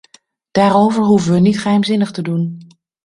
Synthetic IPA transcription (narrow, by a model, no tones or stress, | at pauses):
d̥aːɾowvəɹɦuvəʋənitχəɦɛjmzɪnəχtədun